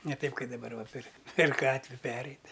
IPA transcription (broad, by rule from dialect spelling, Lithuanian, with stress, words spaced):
nʲɛ ˈtɐɪp ˈkɐɪ dɐˈbɐr ʋɐ pʲɪr pʲɛr ˈɡɑːtʲʋʲɪ ˈpʲæːrʲɛɪtʲ